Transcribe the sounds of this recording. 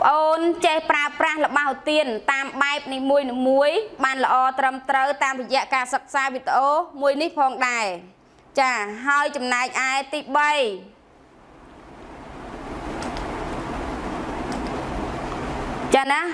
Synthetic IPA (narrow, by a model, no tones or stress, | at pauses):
pə̆ʔoːnt͡ɕehpraəprahlə̆ɓahot̪iənt̪aːmɓaɛp̚niːmuəjniːmuəjɓaːnlə̆ʔɑːt̪rəmt̪rəwt̪aːmrɔjɛ̆əʔkaːsək̚saːʋit̪̚ʔoːmuəjnihpʰɑːŋɗaɛ | t͡ɕaːɦaəjt͡ɕɑmnaɛk̚ʔaɛt̪iːɓəj | t͡ɕana